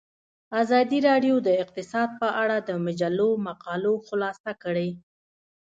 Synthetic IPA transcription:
azɑd̪iɾɑɖjod̪əɪq̚t̪ɪsɑd̪̚pəʔaɽad̪əmad͡ʒalːomaqɑloxʊlɑsakəɽej

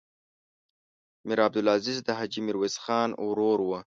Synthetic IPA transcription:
mɪɾaːb̚d̪ʊlɑzizd̪əɦad͡ʒimɪɾwezxɑːnwɾoɾwə

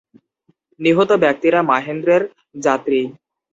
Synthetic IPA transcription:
niɦot̪obɛk̚t̪iɾamaɦend̪ɾeɾ | d͡ʑat̪ɾi

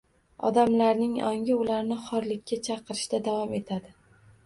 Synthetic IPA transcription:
ɒ̰d̪amlaɾnɪŋɒŋʲɪʊlaɾnɪχɒɾlɪkʲːat͡ʃʰɑqʰɨɾɪʃt̪ad̪avɒme̞t̪ʰad̪ɪ

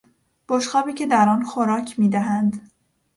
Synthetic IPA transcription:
b̥oʃxɒːbiːcʰe̞d̪æɾɒːnxoɾɒːcʰmiːd̪æɦænd̪

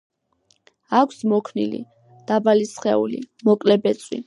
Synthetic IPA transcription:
akʷʰsmɔkʰnḭlḭ | d̪̥abalisχɛṵlḭmɔkʼlɛbɛt̪sʼwḭ

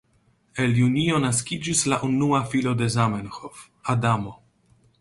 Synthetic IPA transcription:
eljunio̞naskʲid͡ʒislaʔunuafilo̞d̪e̞zamenxof | adamo

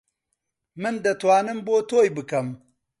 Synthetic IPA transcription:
mɨnd̪ɐt̪waːnɨmbot̪oːjbɨkɐm

